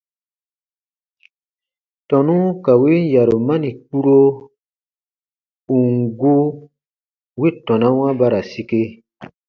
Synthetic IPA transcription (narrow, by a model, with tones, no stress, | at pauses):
tɔ̃˨nũ˦ka˨we˦n˦ja˨ɾo˨mã˦nĩ˨k͡pu˦ɾo˦ | ũ˨ŋɡo˦ | we˦˨tɔ̃˨nã˦w̃ã˦ba˦ɾa˨si˦ke˧